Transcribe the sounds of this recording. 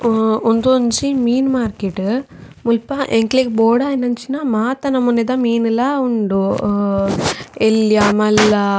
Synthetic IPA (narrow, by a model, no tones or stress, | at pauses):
ond̪ont͡ʃimiːnmaːɾkeʈ | mulpɐʔeŋkliɡboːɽaːinɐnt͡ʃinamaːt̪ɐnɐmunːed̪ɐmiːnilauɳɖu | eljamɐlɐ